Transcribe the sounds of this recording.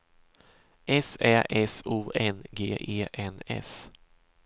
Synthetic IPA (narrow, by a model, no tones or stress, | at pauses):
ʔɛsɛːʔɛsuːʔɛnɡeːʔeːʔɛnɛ̰s